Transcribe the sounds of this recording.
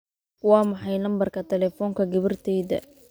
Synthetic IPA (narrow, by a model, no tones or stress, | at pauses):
wɑːmɑħɑjnɐmbɐrkʰɐt̪ʰɛlɛːfɔːŋkʰɐɡɐβɐrt̪ʰɛːðɐ̰